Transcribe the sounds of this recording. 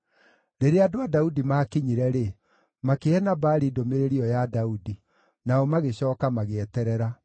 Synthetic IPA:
ɾeɾeadoadaudimaːkiɲiɾɛɾe | makeɛnabaɾidomeɾeɾiɔjadaudi | naɔmaɣeɕɔːkamaɣeɛtɛɾɛɾa

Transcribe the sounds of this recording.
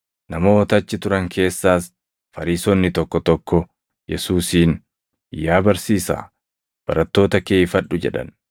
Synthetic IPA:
nɐmo̞ːɔt̪ɐt͡ʃːɪt̪ʊɾɐŋkʰe̞ːsːaːs | fɐɾiːsɔnːɪt̪ɔkːɔt̪ɔkːɔ | jɛsuːsiːn | jaːbɐɾsiːsa̰ː | b̥ɐɾɐt̪ːo̞ːt̪ɐkeːɪfɐᶑʊd͡ʒɛ̰ᶑɐ̰n

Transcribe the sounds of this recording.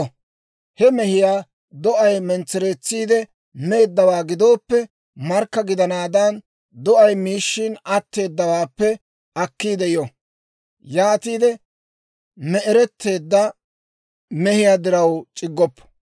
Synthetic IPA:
hɛmɛhɪjaː | d̪ɔʔɐjmɛnt͡sːɛɾeːt͡sːiːd̪ɛ | me̞ːd̪ːɐwaːɡɪd̪o̞ːpːɛ | mɐɾkːɐɡɪd̪ɐnaːd̪ɐn | d̪ɔʔɐjmiːʃːɪnɐt̪ːe̞ːd̪ːɐwaːpːɛ | ɐkːiːd̪ɛjɔ | jaːt̪iːd̪ɛ | mɛɛɾɛt̪ʰːe̞ːd̪ːɐ | mɛhɪjaːd̪ɪɾɐwt͡ʃʼɪɡːɔpː

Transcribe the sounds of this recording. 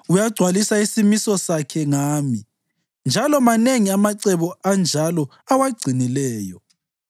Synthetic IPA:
ujaɡ͡ǀʱwalisaisimisɔsakʰɛŋaːmi | nd͡ʒʱalɔmaneŋiamaǀɛβɔand͡ʒʱalɔ | awaɡ͡ǀʱinilɛːjɔ

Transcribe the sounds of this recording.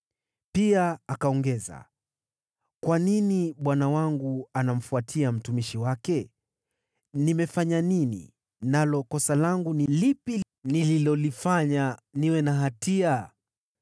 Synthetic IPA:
piaːkaɔŋɡɛza̰ | kwaniniɓwanawaŋɡuanam̩fuatʰiam̩tumiʃiwakɛ | nimɛfaɲaninḭ | nalɔkɔsalaŋɡunilipi | nililɔlifaɲaniwɛnaɦatia

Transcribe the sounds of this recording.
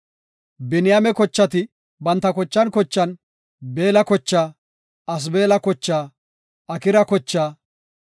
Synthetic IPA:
bɛnɪjamɛkɔt͡ʃːɐt̪ɪ | bɐnt̪ːɐkɔt͡ʃːɐnkɔt͡ʃːɐn | beːlɐkɔt͡ʃːaː | ɐs̬be̞ːlɐkɔt͡ʃːaː | ɐkɪɾɐkɔt͡ʃːaː

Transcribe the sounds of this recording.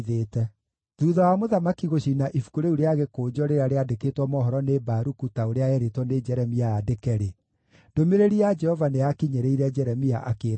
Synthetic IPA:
ðeːtɛ | ðuːðawamoðamakiɣoɕinaʔifu̥kuɾeuɾeaɣekoːd͡ʒɔɾeɾaɾeadeketwɔmɔɦɔɾɔnebaɾukutaoɾeaɛɾetwɔned͡ʒɛɾɛmiaadekɛɾe | d̥omeɾeɾiad͡ʒɛhɔvaneakiɲeɾeiɾɛd͡ʒɛɾɛmiaʔakeːɾ

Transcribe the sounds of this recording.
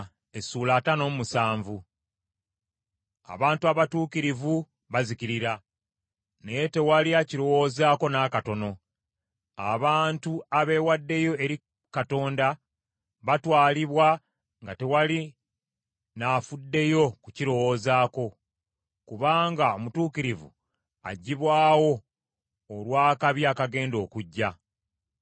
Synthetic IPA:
e̞suːlaːtano̞ːmumusaːɱvu | a̰βaːntuaβatuːkiɾivu | βaziciɾiɾa | neje̞te̞waliaciɾo̞wo̞ːzaːko̞naːkato̞no̞ | a̰βaːntuaβe̞ːwadːe̞jo̞e̞ɾi | kato̞ːnda | βatwaːliβwa | ŋɡate̞wali | nafudːe̞jo̞kuciɾo̞woːzaːko̞ | kuβaːŋɡao̞mutuːkiɾivṵ | a̰ɟːiβwaːwo̞ː | lwaːkaβjaːkaɡe̞ːndo̞ːkuɟːa

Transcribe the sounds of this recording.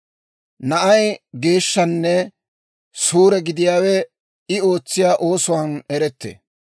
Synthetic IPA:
nɐʔɐjɡe̞ːʃːɐnːɛ | suːɾɛɡɪd̪ɪjaːwɛ | ɪo̞ːt͡sːɪjaːʔo̞ːsʊwaːnɛɾɛt̪ːḛː

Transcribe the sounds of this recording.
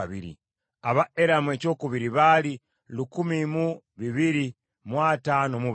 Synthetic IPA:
βḭɾḭ | aβaeɾamwecokuβiɾiβali | lukumimu | βiβiɾi | mwatanomu

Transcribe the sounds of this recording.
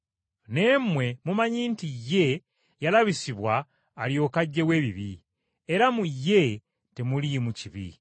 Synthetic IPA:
ne̞mwe̞mumaɲiːntijːe̞ | jalaβisiβwaː | ljo̞ːkaɟːe̞we̞ːβiβḭ | eɾamujːe̞ | temulimuciβḭ

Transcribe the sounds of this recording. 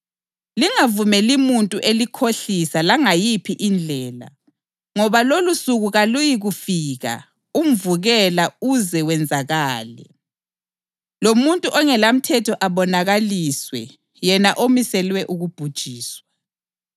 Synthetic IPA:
liŋavumɛlimuntʼuʔelikʰoɬisalaŋajipʰiʔind͡ɮʱɛːla̰ | ŋɔβalolusuɣuɣalujiɣufiːɣa̰ | um̩vuɣɛlauzɛwɛnd͡zʱaɣaːlɛ̰ | lomuntʼuʔɔŋɛlam̩tʰɛtʰɔʔaβɔnaɣaliːswɛ̰ | jɛnaʔomisɛlwɛʔuɣub̥ʱud̥ʒ̥ʱiːswa

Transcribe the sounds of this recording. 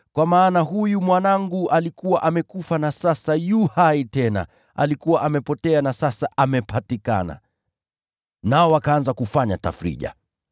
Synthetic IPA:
kwamaːnaɦujumwanaŋɡuʔalikuwaʔamɛkufanasasajuhaitɛna̰ | a̰likuwaʔamɛpɔtɛanasasaʔamɛpatika̰na̰ | naɔwakaːnzakufaɲata̰fɾḭʄa̰

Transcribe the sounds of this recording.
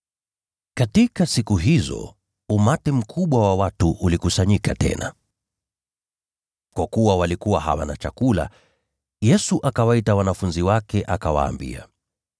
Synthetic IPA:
katikasikuɦizɔ̰ | umatɛm̩kʰuɓwawawatuʔulikusaɲikatɛ̰na̰ | kwakuwawalikuwaha̰wa̰nat͡ʃakula̰ | jɛsuʔakawaitawanafunziwakɛʔakawa̰ːmbḭa̰

